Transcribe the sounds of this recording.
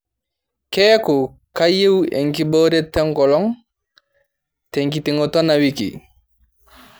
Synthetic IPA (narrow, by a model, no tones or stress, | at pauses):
kɛːku | kajewḛŋkiboːɾetːɛŋkɔlɔŋ | teŋkitiŋɔtɔnawikḭ